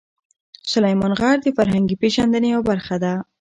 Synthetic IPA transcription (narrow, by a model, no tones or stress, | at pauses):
sʊlajmɑnɣɑɽd̪əfaɾɦaŋɡipeʒand̪ənejawbaɾxad̪a